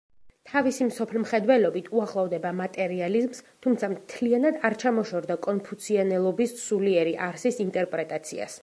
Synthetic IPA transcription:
t̪ʰavisimsɔpʰɛlmχɛd̪wɛlɔbit̪ʰuaχlˠɔvd̪ɛbamat̪ʼɛɾializmst̪ʰumt̪sʰamt̪ʰlianad̪aɾt͡ʃʰamɔʃɔɾd̪akʼɔnpʰut̪sʰianɛlˠɔbissuliɛɾiʔaɾsisint̪ʼɛɾpʼɾɛt̪ʼat̪sʰḭa̰s

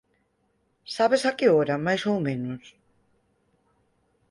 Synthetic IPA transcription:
saβesakioɾamajʃolmenos

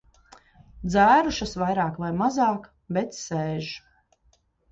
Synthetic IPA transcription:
d̪zæːɾuʃasvajɾɑːkvajmazɑːk | bɛt̪sɛːʒu

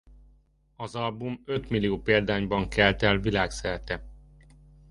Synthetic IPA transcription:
ɒzɒlbumø̞t̪milijoːpeːld̪aːɲbɒŋkɛlt̪ɛlʋilaːksɛɾt̪ɛ

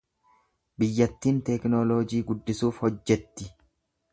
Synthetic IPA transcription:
bɪjːɐt̪ːiːnt̪ɛknoloːd͡ʒiːɡʊd̪ːɪsuːfhɔd͡ʒːɛt̪ːɪ

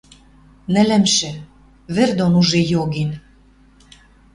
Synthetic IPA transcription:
nɘ̆lɘ̆mʃĕ | βĕrd̪onuʒejoɣen

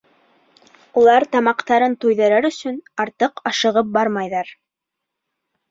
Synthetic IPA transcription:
ulˠɑɾt̪ɑmɑqt̪ɑɾɤnt̪ujðɤ̆ɾɑɾɵ̆sɵnɑɾt̪ɤqɑʃɤ̆ʁɤp̚bɑɾmɑjðɑɾ

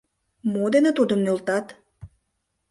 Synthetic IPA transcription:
mod̪enet̪ud̪əmnølt̪ɑt̪

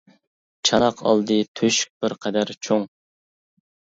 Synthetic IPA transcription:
t͡ʃʰɑnɑqʰɑ̰lˠd̪ɨt̪ʰøʃk̚ʲb̥ɪɾqʰɛd̪æɾt͡ʃʰoŋ

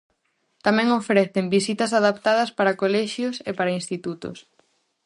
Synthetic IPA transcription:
t̪amɛ̃ŋofɾeθɪmbisit̪ɐsaðap̚t̪aðɐspaɾɐkolɛʃjʊsepaɾɐinst̪it̪ut̪ʊ̰s

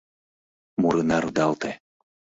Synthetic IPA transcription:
muɾɯnɑɾud̪ɑlt̪e

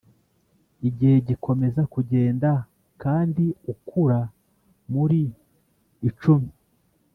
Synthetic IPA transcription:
iɟihe̞ɟikʰo̞me̞zakuɟe̞ːnda | kaːndiukʰuɾa | muɾiː | t͡ʃumi

